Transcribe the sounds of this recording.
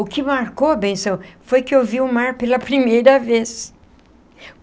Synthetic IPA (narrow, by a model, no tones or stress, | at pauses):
ʊkɪmaɾkoɐbẽsɐ̃w̃fojkɪewviʊmaɾpelɐpɾimejɾɐves